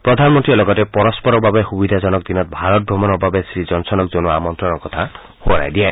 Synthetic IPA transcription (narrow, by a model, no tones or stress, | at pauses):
pɾɔd̪ʱanmɔnt̪ɾiɔlɔɡɔtepɔɾɔspɔɾɔbabexubid̪ʱazɔnɔk̚d̪inɔt̪̚bʱaɾɔt̪̚ɡʱɔmɔnɔbabesɾid͡ʒɔnsɔnɔkzonuamɔnt̪ɾɔnɔkɔt̪ʰa | hoɾa̰jd̪iɛ